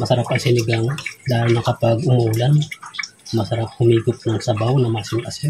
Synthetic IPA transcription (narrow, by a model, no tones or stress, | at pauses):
mɐsɐɾapɐŋsɪnɪɡɐŋd̪aːlonɐkɐpaɡʊmolan | mɐsɐɾap̚hʊmiːɡʊp̚nɐŋsɐbawnɐmasɪnʔɐs